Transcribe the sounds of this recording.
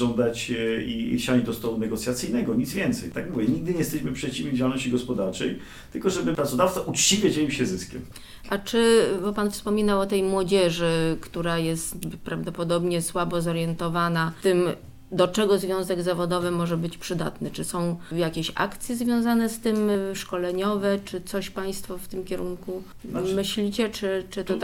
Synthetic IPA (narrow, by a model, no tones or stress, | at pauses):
ɔnd̪at͡ɕiɕaɲd͡ʑd̪ɔst̪ɔlunɛɡɔt̪sʲjat̪sɘjnɛɡɔɲid̪zvʲjɛnt̪sɛjt̪aɡmuvʲjɛɲiɡ̚d̪ɘɲɛjɛst̪ɛɕmɘpʂɛt͡ɕivʲid͡ʑaalnɔɕt͡ɕiɡɔspɔd̪aɾt͡ʂɛ̰j | t̪ɘlkɔʐɛbɘpɾat̪sɔd̪aft̪saʔut͡ʂt͡ɕivʲjad͡ʑɛimɕɛzɘskʲɛ̰m | ʔat͡ʂɘbɔpanfspɔmʲinawɔt̪ɛjmwɔd͡ʑɛʐɘkt̪uɾajɛst̪pɾavd̪ɔpɔd̪ɔbɲɛswabɔzɔɾjɛnt̪ɔvanat̪ɘm | d̪ɔt͡ʂɛɡɔzvʲjɔ̃w̃zɛɡzavɔd̪ɔvɘmɔʐɛbɘt͡ɕpʂɘd̪a̰t̪nɘt͡ʂɘsɔ̃w̃jakʲeɕa̰kt̪sʲjɛzvʲjɔ̃w̃zanɛst̪ɘmʂkɔlɛɲɔvɛt͡ʂɘt̪sɔɕpaj̃st̪fɔft̪ɘmkʲɛɾuŋku | mɘɕlʲit͡ɕɛt͡ʂɘt͡ʂɘt̪ɔ